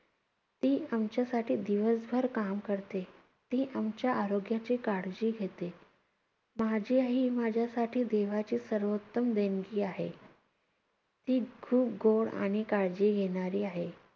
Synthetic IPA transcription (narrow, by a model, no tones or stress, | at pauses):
t̪iːamt͡ɕjasaʈiːd̪iʋəsbʱəɾkamkəɾt̪e | t̪iːʔamt͡ɕjaːɾoɡjat͡ɕiːkaɽd͡ʑiːɡʱet̪e | mad͡ʑʱiːaɦiːmad͡ʑʱjasaʈʰiːd̪eʋat͡ɕiːsəɾʋot̪ːəmd̪enɡiːaɦḛ | t̪iːkʰuːp̚ɡoɭa̰ɽ̃ikaɽd͡ʑiːɡʱeɽ̃aɾiːaɦe